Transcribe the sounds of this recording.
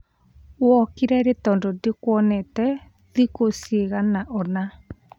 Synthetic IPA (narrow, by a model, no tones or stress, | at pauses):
wɔkeɾɛɾetɔndɔdekwɔnɛtɛ | ðikoseɣanaʔɔna